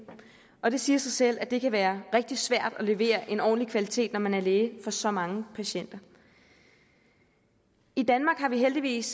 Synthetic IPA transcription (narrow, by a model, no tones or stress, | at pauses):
ɒ̽d̥e̝siːɐsɑ̈ɪsel̰ʔæd̥e̝kʰæʋæːɐʁɛɡ̥̚d̥i̥sʋæɐ̰d̥ɒle̝ʋe̝̰ːɐʔe̝nɒ̰ːnlikʰʋælit͡sʰe̝̰ːd̥nɒmænæɐle̝ːəfɒ̽sɒ̽mɑ̈ŋəpʰæɕen̰d̥ɐ | id̥ænmɑ̈ːɡ̥hɑ̈ʋiɦeld̥iʋḭːs